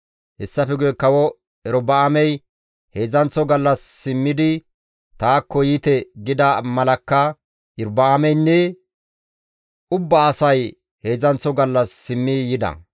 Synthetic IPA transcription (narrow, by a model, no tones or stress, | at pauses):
hɛsːɐfɛɡɛkːɐwɔ | ɛɾɔbɐːmɛj | he̞ːzɐnt͡sɔɡɐlːɐsːɪmːɪd̪ɪ | t̪aːkːɔjiːt̪ɛɡɪd̪ɐmɐlɐkːɐ | ɪɾbɐːmɛjnːɛ | ʔʊbːɐːsɐj | he̞ːzɐnt͡sːɔɡɐlːɐsːɪmːijɪd̪ɐ̰